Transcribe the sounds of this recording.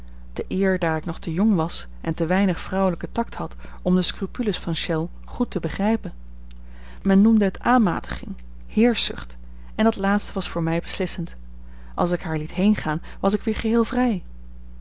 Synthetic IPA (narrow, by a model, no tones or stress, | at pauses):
d̥əʔɪːɹdaːɹɪknɔχtəjɔŋʋɑs | ɛntəʋɛjnəχfrɔwələkətɑkthɑt | ɔmdəskrypyləsfɑnʃɛlˠ | χutəbəχrɛjpən | mɛnːumdəɦətaːnma̰ːtə̥χɪŋ | hɪːɹzʏχt | ɛnɑtlaːtstəʋɑsfʊːɹmɛjbəslɪsənt | ʔɑlˠs̬ɪkɦaːɹlitɦejnχaːn | ʋɑsɪkʋɪːɹχəɦɪːlˠvrɛj